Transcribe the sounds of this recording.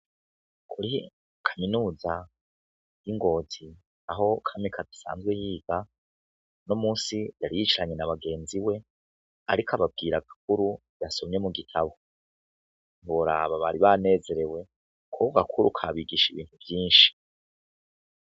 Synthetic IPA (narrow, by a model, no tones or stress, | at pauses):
kʰuɾi | kʰaminuːza | jiŋɡo̞ːzi | aɦo̞kʰamikʰadisa̰ːnzɡwejiːɡa | nomuːsijaɾijit͡ʃiɾaɲe̞naβaɡe̞ːnziwe̞ | a̰ɾikʰaβab̚ɡiːɾaɡak̚uɾu | jaso̞mɲe̞muɡitʰaβo̞ | nβoɾa̰ːβaβaɾiβane̞ːze̞ɾe̞we̞ | kʰuɡakʰuɾṵkʰaβiɡiʃiβḭːn̥huvjiːnʃi̥